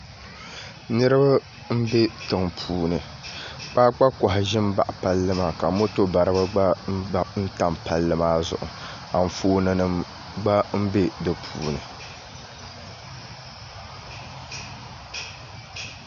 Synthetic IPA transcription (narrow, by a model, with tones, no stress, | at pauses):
nɨ˦ɾɨ˦ba˦ | m̩˦be˦tɨ˨ŋpʰuː˨nɨ˨ | k͡pa˦k͡pa˦kɔ˨ɦɪ˨ʒɪ˦m˦ba˨ʔpa˦lːɨ˦maː˨ka˨mo˦to˦ba˨ɾɨ˦ba˦ɡ͡ba˦ba˨n̩˦ta˨mpa˨lːɨ˦maː˦zʊ̰˨ʔʊ̰˨ | a˨m̩˨foː˦nɨ˦nɨ˦m | ɡ͡ba˦m̩˦be˦dɨ˨pʰṵː˨nɨ˨